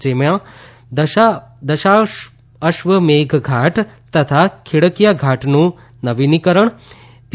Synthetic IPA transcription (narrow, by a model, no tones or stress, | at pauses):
d͡ʒemjã | d̪əad̪əʃa | əʃʋəmeːɡʱɡʱaʈt̪ət̪ʰakʰiɽəkijaɡʱaʈnũ | nəʋinikəɾəɳ | p